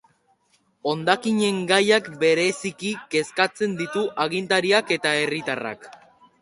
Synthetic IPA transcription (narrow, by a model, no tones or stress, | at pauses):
o̞nd̪akiɲe̞ŋɡajakbe̞ɾe̞sikike̞skat͡se̞nd̪it̪uʔaɣint̪aɾiake̞t̪ae̞rit̪ara̰k